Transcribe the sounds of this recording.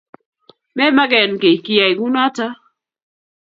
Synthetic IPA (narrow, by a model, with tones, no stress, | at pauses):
mɛ˦ma˦ɡɛ˨nke˨ki˦ja˨i˨ɡu˦na˦ta˦